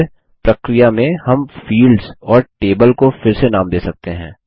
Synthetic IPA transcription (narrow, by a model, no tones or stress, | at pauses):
pɾɐkɾɪjamẽhɐmfiːlɖz̥ɔːɾʈeːbəlkofɪɾsenaːmd̪eːsɐk̚t̪eɦɛ̃ː